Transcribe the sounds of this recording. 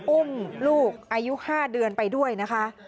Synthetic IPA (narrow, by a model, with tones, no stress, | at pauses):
ʔu˥˩mluː˥˩k̚ʔaː˧ju˦˥ʔhaː˥˩dɯ˧ənpa˧jdu˥˩əjna˦˥kʰa˦˥ʔ